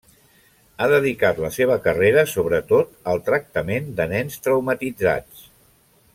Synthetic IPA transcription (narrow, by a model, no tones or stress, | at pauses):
aðəðikat̪ləseβ̞əkəreɾəsoβ̞ɾət̪ot̪əlˠt̪ɾək̚t̪əmend̪ənɛnst̪ɾəwmət̪id͡za̰t͡s